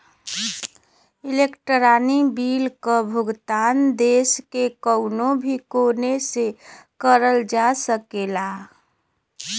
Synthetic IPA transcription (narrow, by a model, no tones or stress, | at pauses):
ilekʈəɾanibilkəbʱʊɡt̪and̪eskekəʊnobʱikonesekəɾəld͡ʒasəkela